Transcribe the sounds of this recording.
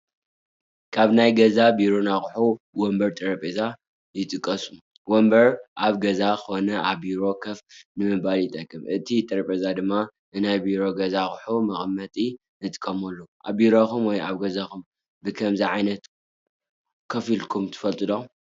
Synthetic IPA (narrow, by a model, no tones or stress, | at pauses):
kʰaβnajɡɐzabiɾo̞naxʼħu | wombɐɾt̪ʼɐɾɐpʼeza | jɪt̪ʼɨkʼːɐsu | wombɐɾʔaβɡɐzakɨxonɐʔaβbiɾo̞kʰɐfnɨmɨbaljɪt̪ʼɐkʼːɨmʔɨt̪ʰit̪ʼɐɾɐpʼezad̪ɨmːa | ɨnajbiɾo̞ɡɐzaxħumɐxʼmːɐt̪ʼi | nɨt̪ʼɨ̥kʼʰɐmɐlːoʔaβiɾokumwɔjaβɡɐzakʰum | bɨkʰɐmziʕajnɐt̪ | kʰɐfilkʰumt̪ʰɨ̥fɐlt̪ʼɨlo